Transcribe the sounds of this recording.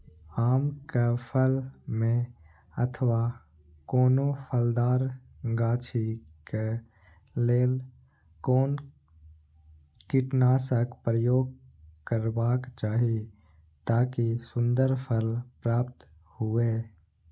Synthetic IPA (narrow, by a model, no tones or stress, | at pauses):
aːmkəpʰəlmẽ | ət̪ʰəʋa | koːnopʰəld̪aːɾ | ɡaːt͡ʃʰike | leːl | koːn | kiʈnaːsəkpɾəjoːɡ̚ | kəɾbaːkt͡ʃaːɦie | t̪aːkisʊ̃nd̪əɾpʰəlpɾaːpt̪ | hʊeː